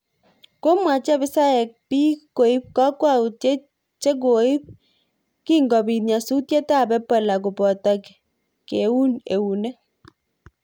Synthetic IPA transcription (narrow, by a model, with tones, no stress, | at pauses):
ko˦mwa˨t͡ʃa˦βɪ˦sa˦e˨k̚pi˦ko˨i˦p̚ka˦kwa˦˨te˦ | t͡ʃe˦k̬o˨i˦p̚ | ki˦ŋɡɔ˨bi˨tɲa˨su˦tje˦ta˦˨bɛ˦pa˨la˨ko˨pɔ˨ta˨k | ke˨u˦ne˨u˨nɛ˦